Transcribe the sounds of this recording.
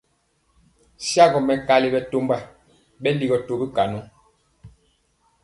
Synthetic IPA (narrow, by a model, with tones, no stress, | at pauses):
sja˦ɡɔ˨mɛ˨ka˦li˨bɛ˦to˦mba˨ | bɛ˦li˨ɡɔ˨to˨bi˦ka˨nu˦